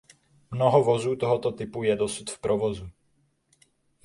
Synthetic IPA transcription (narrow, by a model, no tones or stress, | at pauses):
mnoɦɔvozuːt̪ɔɦɔt̪ot̪ɪpujɛdosut̪fpɾovozu